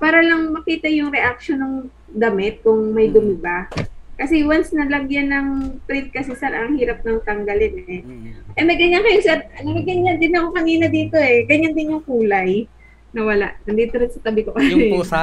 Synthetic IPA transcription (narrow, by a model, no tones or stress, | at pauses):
paːɾɐlɐŋmɐkiːt̪ɐjʊŋɾɛʔak̚ʃonoŋ | d̪ɐmɪt̪̚kʊŋmɐjd̪ʊmɪbakɐsɛwansnɐlɐɡjɐnːɐŋpɾɪt̪̚kɐsɛsɛɾʔɐŋhiːɾɐp̚nɐŋt̪ɐŋɡɐlɪnɛʔɛmɐɡɐɲːankɐjʊŋsɛɾnɐɡɐɡɐɲːɐnd̪ɪnɐokɐniːnɐd̪iːt̪o̞ɛɡɐɲːand̪ɪnʊŋkuːlɐj | nɐwɐla̰ʔnɐnd̪iːt̪oɾɪnsɐt̪ɐbɪkokɐɛ